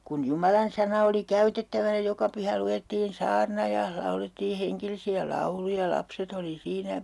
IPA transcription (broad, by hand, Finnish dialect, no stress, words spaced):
kun jumɑlɑnsɑnɑ oli kæytetːæʋæn̆æ̆ jɑ jokɑ pyhæ luetːiːn sɑːrnɑ jɑ lɑuletːiː heŋkelisiæ lɑulujɑ jɑ lɑpset oli siːnæ